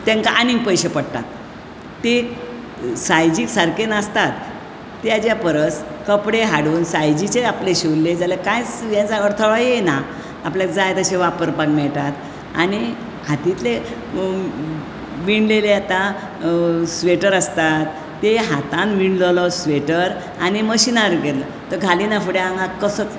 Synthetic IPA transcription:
t̪ɛ̃ŋkaʔaniŋɡ̚pəjɕepəɽt̪a̰t̪ː | e | sajd͡ʑiːksaɾkenast̪at̪ː | jad͡ʑapəɾəskəpɽeɦaɽuːnsajd͡ʑit͡ɕeapleɕelled͡zalekajt͡sʋjãd͡zaɡəɾt̪ʰoɭɔjenaː | pljad͡zajt̪əɕeʋapəɾpanmɛɭʈ̪at̪ | a̰ñi | hat̪it̪le | ʋiɳɖleleat̪a | sʋeʈəɾəst̪at̪ː | eɦat̪ãnʋiɳɖlɔlɔsʋeʈəɾ | añiməɕinaɾɡet̪lə | t̪əɡʱaliːnafuɽeaŋɡakəsə

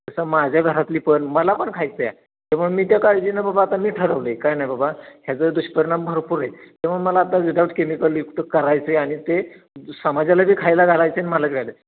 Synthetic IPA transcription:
əsəmad͡ʑʱjaɡʱəɾat̪liːpəɳməlapəɳkʰajt͡səja̰ | t̪amuɳmiːt̪jakaɽd͡ʑinababaːt̪amiːʈʰəɾəʋləkajnajbabaɦjat͡səd̪uɕpəɾiɳambʱəɾpuɾajt̪am̤uɳməlaːt̪aɡiɖawʈkemikəljukt̪əkəɾajt͡seaɽ̃it̪e | səmad͡ʑalabʱiːkʰajlaɡʱalajt͡seaniməlat̪ɡʱajlə

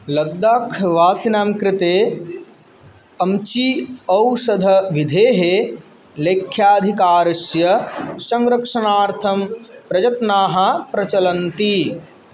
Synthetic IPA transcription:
lɐd̪ːaːkʰʋaːsinaːmkɾɪt̪eː | ɐmt͡ʃiɐwsɐd̪ʱɐʋid̪ʱeːɦeː | leːkʰjaːd̪ʱikaːɾsjɐsɐŋɾɐkʂɐnaːɾt̪ʰɐmpɾɐd͡ʒɐt̪naːɦɐpɾɐt͡ʃɐlɐnt̪i

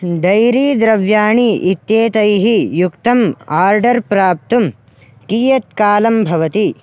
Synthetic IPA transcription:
d̪ɐjɾiːd̪ɾɐʋjaːɳiʔit̪jeːt̪ɐjɦijukt̪ɐmaːɾɖɐɾpɾaːp̚t̪um | kiːjɐt̪̚kaːlɐmbʱɐʋɐt̪i

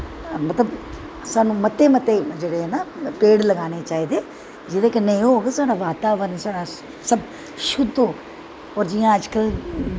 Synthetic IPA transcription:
mət̪ləb | saːnũːmət̪ːeːmət̪ːeːd͡ʒeːɽeːɛːnaːpeːɽləɡaːneːt͡ʃaːiːd̪eː | d͡ʒɪd̪eːkɪneĩoːɦoːɡeːsaːɽaːʋaːt̪aːʋəɾnsaːɽaː | səb | ʃʊd̪oː | ɔːɾd͡ʒɪjãːəd͡ʒkəl

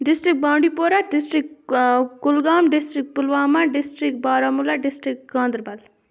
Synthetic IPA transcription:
ɖisʈɾik̚bãːɳɖipoɾaɖisʈɾikkʊlɡaːmɖisʈɾik̚pulʋaːmaɖisʈɾikbaːɾamulaɖisʈɾikɡãːnd̪ɾbɐl

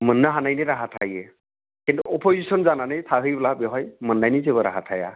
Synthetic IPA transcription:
mənːaɦanajniɾaɦat̪ʰaje | kint̪uɔpʰozisɔnzananajt̪ʰaɦɯjbɛlabiɦɔjmənːajnizebɔɾa̰ɦat̪ʰaja̰

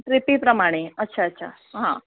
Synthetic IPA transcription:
ʈɾɪpipɾəmaɽ̃eətːʃʰaətːɕʰa̰ | ɦã̰

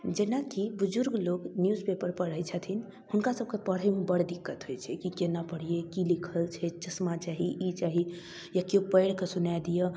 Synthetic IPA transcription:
d͡ʒenakibud͡ʒuɾɡloɡnjuzpepəɾpəɽ̤əjt͡ʃʰət̪ʰin | hunkasəb̚kepəɽɦəmebəɽd̪ikːət̪ɦojt͡ʃʰɛkikenapəɽ̤ijekilikʰəlt͡ʃʰɛt͡ʃəsmat͡ʃaɦiʔit͡ʃaɦi | jakjopəɪɽkesunajd̪ijə

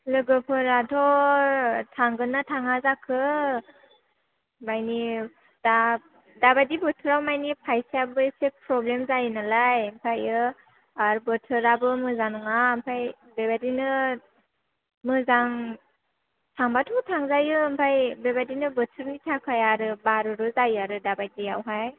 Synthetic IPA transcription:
lɯɡɯpʰɯɾadʰɔ | tʰaŋɡɯnatʰaŋazakʰɯ | majni | d̥a | dabadibɯtʰɯɾawmajnipʰajseabɯsepɾɔblemzajɯnalajmpʰajɯ | aɾbɯtʰɯɾabɯmɯzanɔŋampʰaj | bebadinɯ | mɯzaŋ | tʰaŋbatʰutʰaŋzajɯmpʰajbebadinɯbɯtʰɯɾnitʰakʰajaɾɯbaɾɯɾɯzajaɾɯdabajdiawɦaj

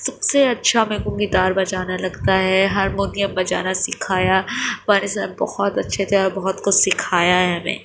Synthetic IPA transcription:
sɐbseɐtːʃʰamẽɡũɡid̪aːɾbɐd͡ʒaːnalɐɡt̪aɦɛɦɐɾmʊnijəmbɐd͡ʒa̰ːnasɪkʰaːjabaːnisabɐ̰hɔt̪ɐtːʃʰet̪ʰɛɔːɾbɐɦɔt̪kʊt͡ʃʰsɪkʰaːjaɦɛɦɐmḛ̃ː

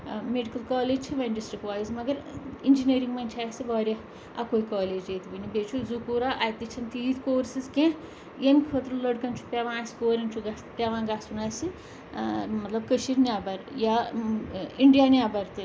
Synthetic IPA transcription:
meɖikɐlkaːleːd͡ʒt͡ʃʰiʋɐnɖisʈɾikʋaːjizmɐɡɐɾind͡ʒineːɾiŋɡmɐnt͡ʃʰiaːjsibaːɾʲjɐ | ɐ̰kojkaːleːd͡ʒet̪ibɐnibeːt͡ʃʰuzukuːɾaʔɐjt̪it͡ʃʰɐnt̪iːt̪ʰkoːɾsizkẽ | jemkʲʰot̪ɾɐlɐɽkɐnt͡ʃʰu̥pʲaʋãːskoːɾɐnt͡ʃʰuɡɐspʲaʋãːɡaːsunaːsi | mɐt̪lɐbkəʃiːɾnʲaːbɐɾjaː | iɳɖijaːniaːbɐɾt̪i

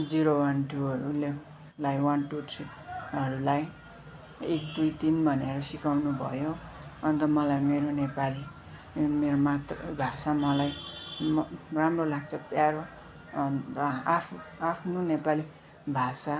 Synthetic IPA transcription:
d͡ziɾowʌnʈʰuʌɾule | lajwʌnʈuʈʰri | ʌɾulaj | ekd̪ujt̪inbʱʌneɾʌsikawnubʱʌ̰joʌnt̪ʌmʌlajmeɾonepali | meɾomat̪rʌbʱasamʌlajmramrolaɡ̚t͡sʰʌpjaɾo | napʰapʰnonepali | bʱasa

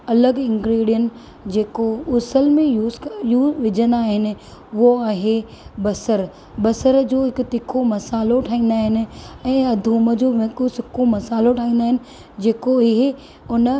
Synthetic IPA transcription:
ɐləɡɪ̃ŋɡɾiːɽijən | d͡ʑeːkoʊsəlmẽjuːzjuːʋɪd͡ʑənd̪aːɦɪnɪ̆ | ʊɦoaːɦe | bɐsəɾ | bɐsəɾd͡ʑoːɦɪkt̪ɪkʰomɐsaːloʈʰaːĩːn̆d̪aːɦɪnɪ̆ɛ̃ːɐd̪ʱuːməd͡ʑoːʋkosɪkʰomɐsaːloʈʰaːĩːnd̪aːɦɪnɪ̆ | d͡ʑeːkoɪɦ | ʊnə̆

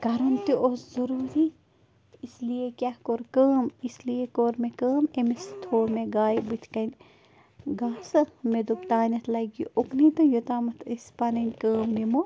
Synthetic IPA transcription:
kɐɾɐnt̪iʔoszɐɾuːɾi | isliekʲakoɾkəːmisliekoɾmekəːmemest̪ʰoːɾmẽɡaːjbɨt̪ʰkɐnʲ | ɡaːsɐmed̪upt̪aːnʲɐt̪ʰlɐɡiʔoknit̪ɐjot̪aːmɐt̪ʰɨspɐnɐnʲkəːmnimo

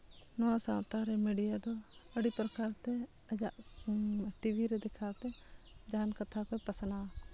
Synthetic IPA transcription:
nɔãsãːt̪aɾɛmeːɖijad̪ɔəɽipɾəkaːɾt̪ɛ | ɐd͡ʒaʔ | ʈibʱiɾɛd̪ɪkʰaːt̪ɛd͡ʒaːnkət̪ʰakoipɐsnaː

